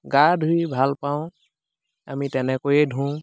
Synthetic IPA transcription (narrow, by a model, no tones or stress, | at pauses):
ɡadʱujbʱalpaʊ̃ | amitɛnɛkojɛdʱũ